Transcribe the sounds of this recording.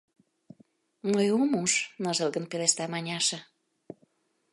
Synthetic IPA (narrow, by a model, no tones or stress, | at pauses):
məjomuʃnəʒə̆lˠɡənpeleʃt̪ɑmɑnʲɑʃɤ̆